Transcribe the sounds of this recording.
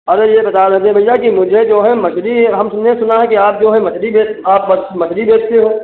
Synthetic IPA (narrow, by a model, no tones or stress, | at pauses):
ɐɾejebɐt̪aɾɐd̪eɛ̃bʱɐjjakimʊd͡ʒʱed͡ʒoːɦɛmɐt͡ʃɾiɦɐmsʊnnesʊnaɦɛkiaːp̚d͡ʒoːɦɛ̃mɐt͡ʃɾibeːaːp̚bɐmɐt͡ʃʰɾibeːd͡ʒt̪eɦoː